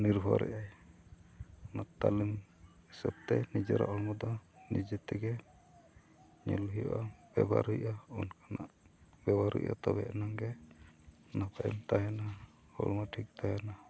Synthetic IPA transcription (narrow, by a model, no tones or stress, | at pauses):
niɾbʱɔɾɛ̰ʔaj | naʔt̪alimisɔb̚t̪ɛnid͡ʒɔɾa̰ʔɔlmɔd̪ɔnid͡ʒɛt̪ɛɡɛ | ɲɔlɦijɔ̰ʔab̥ɛba̰ɾujʔaɔnkanaʔ | bɛbaɾṵjʔa̰t̪ɔbɛʔnaŋɡɛ | napaʔɛmt̪ajana | hɔlmaʈʰik̚t̪ajana